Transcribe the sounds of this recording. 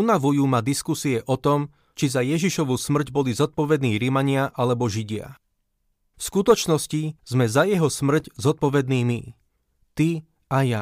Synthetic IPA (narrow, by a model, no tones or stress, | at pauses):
unaʋujuːmad̪iskusiɛʔɔt̪ɔm | t͡ʃizajɛʒiʃɔʋusmr̩ɟbɔlizɔt̪̚pɔʋɛd̪niːɾimaɲɪaʔalɛbɔʒiɟɪa̰ | fskut̪ɔt͡ʃnɔsciz̥mɛzajɛɦɔsmr̩czɔt̪̚pɔʋɛd̪niːmi | t̪i | aja